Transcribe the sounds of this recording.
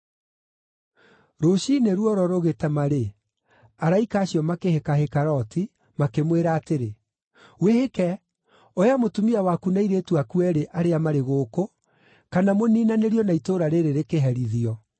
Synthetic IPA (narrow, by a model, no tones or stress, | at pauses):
ɾoɕineɾuɔɾɔɾoɣetɛmaɾe | aɾaikaːɕijɔmakehekaɦekaɾɔti | makemweɾaːteɾe | wehekɛ | ojamotumiawakunaiɾetwakuɛɾeʔaɾeamaɾeɣoːko | kanamoniːnaneɾjɔnaitoɾaɾeɾeɾekeɦɛɾiðiɔ